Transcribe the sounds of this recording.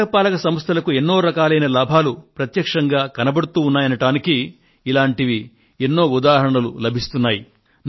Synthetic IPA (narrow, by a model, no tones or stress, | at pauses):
ɐpaːlɐɡɐsɐmɐst̪ʰɐlɐkue̞nːo̞ːɾɐkaːlɐjnɐlaːbʱaːlupɾɐt̪jɐkʂɐŋɡaːkɐnɐbɐɽut̪uːnːaːjɐnɐʈaːnikiː | laːɳʈiʋi | enːo̞ːud̪aːɦɐɾɐɳɐlulɐbʱist̪unːaːji | n